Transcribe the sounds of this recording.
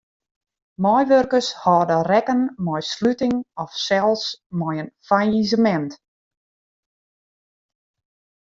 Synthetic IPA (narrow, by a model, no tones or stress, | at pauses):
mɔjʋørkəshɔːdərɛkənmɔjslytɪŋɔfsɛlˠsmɔjənfaizəmɛnt